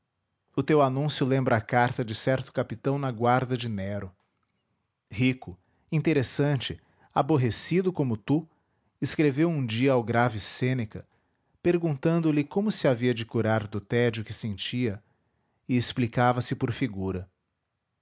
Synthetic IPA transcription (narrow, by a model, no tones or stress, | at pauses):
ʊt̪ewanũsjʊlẽmbɾɐakaɾt̪ɐd͡ʒɪsɛɾt̪ʊ̥kapit̪ɐ̃w̃nɐɡwaɾd̪ɐd͡ʒɪnɛɾʊ | hikʊ | ĩnt̪eɾesɐ̃t͡ʃɪ | aboɦesid̪ʊkõmʊt̪u | ɪskɾevewũd͡ʒiɐawɡɾavɪsẽnekɐ | peɾɡũt̪ɐ̃nd̪ʊlɪkõmʊsɪaviɐd͡ʒɪkuɾaɾd̪ʊt̪ɛd͡ʒʊkɪsẽnt͡ʃiɐ | ɪesplikavɐsɪpoɾfiɡuɾɐ